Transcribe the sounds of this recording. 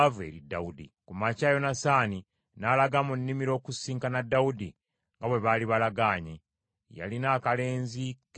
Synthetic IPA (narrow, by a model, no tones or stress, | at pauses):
ve̞̰ɾida̰udḭkumacaːjo̞nasaːni | nalaɡamunːimiɾo̞ːkusiːŋkanadːaudi | ŋɡaβwe̞βaliβalaɡaːɲe | ja̰linaːkale̞ːnzik